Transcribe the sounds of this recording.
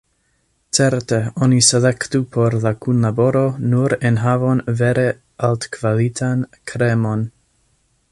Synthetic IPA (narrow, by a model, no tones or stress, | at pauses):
t͡seɾteoniselektupʰoɾlakunlabo̞ɾo̞nuɾenɦavonveɾe | altkv̥alitʰankʰɾemon